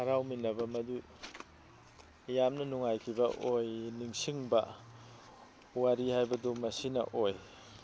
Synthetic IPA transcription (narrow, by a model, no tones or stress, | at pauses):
hɐɾawminːɐbɐmɐdu | jamnɐnuŋajkʰibɐʔojniŋsiŋbɐ | waɾihajbɐdumɐsinɐ̰ʔoj